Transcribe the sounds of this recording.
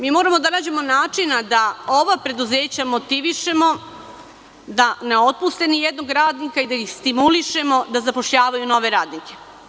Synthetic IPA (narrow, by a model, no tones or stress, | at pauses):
miːmo̞ːɾamod̪anaːd͡ʑe̞mo̞naːt͡ʃinad̪ao̞ʋapɾe̞d̪uze̞ːt͡ɕamo̞t̪iʋiʃe̞mo̞ | d̪aneo̞t̪̚pust̪enijed̪no̞ɡɾaːd̪nikaid̪aixst̪imuliʃe̞mo̞d̪azapo̞ʃʎaːʋajuno̞ʋe̞ɾaːd̪nike̞